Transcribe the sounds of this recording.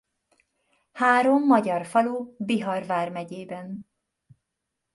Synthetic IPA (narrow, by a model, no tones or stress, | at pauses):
haːɾo̞mːɒɟɒrfɒlubiɦɒrvaːrmɛɟeːbɛn